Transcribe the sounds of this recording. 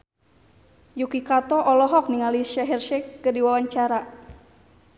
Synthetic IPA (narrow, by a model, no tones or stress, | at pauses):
jukikat̪ɔʔɔlɔɦɔk̚niŋaliʃɛɦɛrʃɛkədiwawaɲt͡ʃaɾa